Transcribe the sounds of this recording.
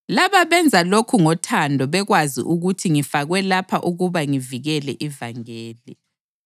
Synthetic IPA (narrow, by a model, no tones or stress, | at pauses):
laβaβɛnd͡zʱalokʰuŋɔtʰandʱɔβɛɣwazḭʔuɣutʰiŋifaɣwɛlapʰaʔuɣuβaŋiviɣɛlɛʔivaŋɛːli